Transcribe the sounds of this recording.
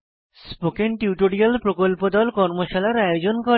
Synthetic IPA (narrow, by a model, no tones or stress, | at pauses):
spokenʈiuʈoɽialpɾokolpod̪ɔlkɔɾmoʃalaɾajod͡ʑonko